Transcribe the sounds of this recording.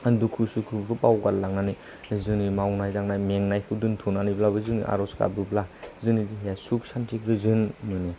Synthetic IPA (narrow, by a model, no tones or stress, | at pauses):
dukʰusukʰubbɯpawɡaɾlaŋnani | zɯnimawnajdaŋnajmeŋnajkʰɯdɯntʰunaniblabɯzɯnḭʔa̰ɾɔska̰bɯblazɯnidiɦejasuksantʰikɾɯzɯnmɯni